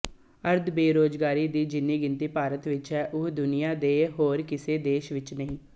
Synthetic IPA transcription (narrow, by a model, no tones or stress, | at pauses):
əɾd̪beːɾoːd͡ʒɡaːɾiːd̪iːd͡ʒɪnːiːɡɪnt̪iːpaːɾət̪ʋɪt͡ʃɦɛːʔʊd̪ʊnɪjaːd̪eːɦoːɾkɪseːd̪eːʃʋɪt͡ʃnəɦĩː